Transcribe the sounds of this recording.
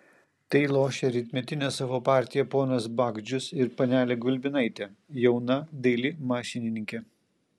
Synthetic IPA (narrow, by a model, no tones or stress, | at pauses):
t̪ɐɪlˠoːʃʲɛɾʲɪt̪ʲmʲɛt̪ʲɪnʲɛsɑʋoːpɑˑɾʲt̪ʲɪjɛpoːnɐsbɑːɡd͡ʒʲʊsɪɾpɐnʲæːlʲɛɡʊlʲbʲɪnɐɪt̪ʲɛjɛʊnɐd̪ɐɪlʲɪmɑːʃʲɪnʲɪnʲɪŋʲkʲɛ